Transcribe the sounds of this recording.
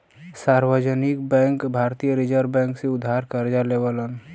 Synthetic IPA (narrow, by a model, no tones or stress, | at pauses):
saɾwəd͡ʒənɪkbɛ̃ŋkbʱaɾt̪ijəɾid͡ʒəɾbɛ̃ːŋkseʊd̪ʱːaɾkəɾd͡ʒalewələn